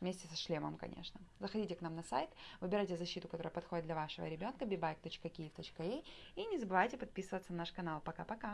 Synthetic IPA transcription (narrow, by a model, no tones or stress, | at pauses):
vmʲesʲtʲɪsɐʂlʲemə̰mkɐ̰nʲʔḛʂnəzəxɐdʲitʲɪknamnɐsa̰jt̪vɨbʲɪɾajʲtʲɪzɐɕːit̪ʊkɐt̪o̞ɾəjəpɐt̪xodɪd̪d̪lʲɐvaʂɨvə̰ɾʲɪbʲo̞nkəbʲɪbajk̚t̪o̞t͡ɕkəkʲɪjɪft̪o̞t͡ɕkɐejinʲɪzəbɨvajtʲɪpɐt̪̚pʲisɨvət̪sənɐnaʂkɐnalˠpɐkapɐka